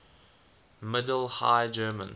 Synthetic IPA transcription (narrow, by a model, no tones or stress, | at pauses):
mɪdəl̩ˠha̰ɪd͡ʒɜːmə̰̃n